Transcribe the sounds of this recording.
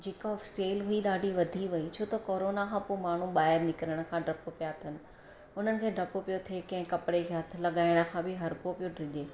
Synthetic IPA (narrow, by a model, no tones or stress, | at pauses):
d͡ʑeːkafseːlɦuiɗaːɖʱiʋɐd̪ʱiʋɐit͡ɕʰoːt̪ɐkoːɾoːnakʰãːpomaːɳ̤uɓaːəɾnɪkɪɾəɽ̃ə̆kʰãːɖʱɾɐpopijat̪ʰənɪ̆ | ʊn̤ənɪ̆kʰeːɖɐpopijot̪ʰeːkɐ̃ɦɪ̃kɐpɽekʰeːɦɐt̪ʰɪ̆lɐɠaːɪɽ̃ə̆kʰãbɪɦɐɾpopijoɖʱɾɪʄeː